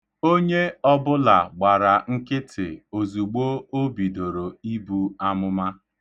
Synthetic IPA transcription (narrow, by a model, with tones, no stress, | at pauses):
o˦ɲe˦ɔ˦bʊ˦la˨ɡ͡ba˨ɾa˨ŋ̩˦kɪ˦tʰɪ̰˨o˨zu˨ɡ͡bo˦o˦bi˨do˨ɾo˨i˦bu˦a˦mʊ˦ma˦